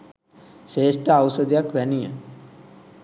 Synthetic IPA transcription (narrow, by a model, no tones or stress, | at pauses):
ʃeːʂʈəawsəd̪jakʋɛnijə̰